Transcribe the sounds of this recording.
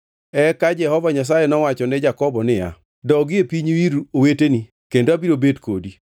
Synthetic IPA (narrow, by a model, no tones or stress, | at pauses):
ɛkad͡ʒɛhɔvaɲas̬ajɛnɔwat͡ʃɔnɛd͡ʒakɔbɔnɪja̰ | dɔɡɪepiɲwiɾuoweteni | kendoabiɾobedkʰodi